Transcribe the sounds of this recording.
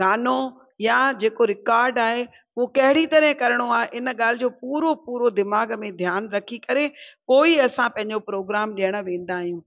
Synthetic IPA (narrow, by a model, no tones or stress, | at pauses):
ɡaːno | jad͡ʑeːkoɾɪkaːɾɖaːɦe | okɐɦɪɽit̪ɐɾəɦɪ̃kɐɾəɽ̃oaːɦeʔɪn̆ɠaːl̤ɪd͡ʑoːpuːɾopuːɾod̪ɪmaːɡmẽd̪ʱjaːnɾɐkʰikɐɾepoːiɐsãpɐ̃ɦɪ̃ɲd͡ʑopɾoːɡɾaːmɗijəɽ̃ə̆ʋẽːn̆d̪aːɦijũː